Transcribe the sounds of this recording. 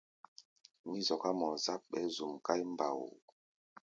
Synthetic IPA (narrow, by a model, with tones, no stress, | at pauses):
mi˦zɔ˨ka˦mɔ˨za˦p̚ɓɛ̰˦zu˨mka˦jmba̰˨w